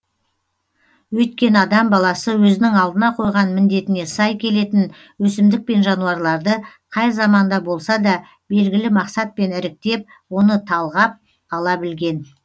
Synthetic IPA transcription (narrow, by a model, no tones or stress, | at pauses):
wɵt̪̚kʲe̞nɑd̪ɑmbɑlˠɑsəwɵzɪnɪŋɑlˠd̪ənɑqʰo̞jʁɑnmɪnd̪e̞t̪ɪne̞sɑjkʲʰe̞le̞t̪ɪn | wɵsɪmd̪ɪk̚pe̞nʒɑnuɑɾlˠɑɾd̪ə | qʰɑjzɑmɑnd̪ɑbo̞lˠsɑd̪ɑ | be̞lɡʲɪlɪmɑqsɑt̪̚pe̞nɪɾɪk̚t̪e̞p̚ | wo̞nət̪ʰɑlˠʁɑp̚ | ɑlˠɑbɪlɡʲe̞n